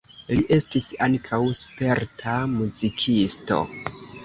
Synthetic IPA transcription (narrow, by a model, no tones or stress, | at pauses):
liʔe̞stisaŋkʰawspe̞ɾtʰamuzikʰisto̞̰